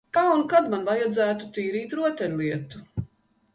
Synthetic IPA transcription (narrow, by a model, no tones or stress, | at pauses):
kaunkad̪manvajad̪zæːt̪ut̪iːɾiːt̪ɾuɔt̪ʲɛnʲlˠiɛt̪u